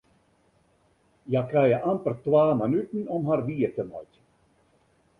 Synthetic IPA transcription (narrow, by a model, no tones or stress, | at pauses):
jakrɛjəʔampərtʋaːmanytənɔmɦarʋiətəmɔ̰jt